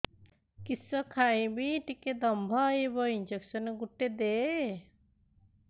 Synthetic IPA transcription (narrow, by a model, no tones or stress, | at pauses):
kisəkʰaĩbiʈiked̪ɐmbʱaebɐind͡ʒeksəneɡuʈːed̪e